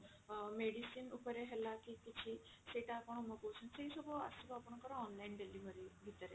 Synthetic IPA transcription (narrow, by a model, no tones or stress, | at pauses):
meɽisiːnupəɾeɦɛlakikit͡ɕʰiseʈapəɳ̃ɔməkosũnseisobəa̰subapəɳ̃kəɾɔ̃ɔnlainɖeliʋəɾiɡʱit̪əɾe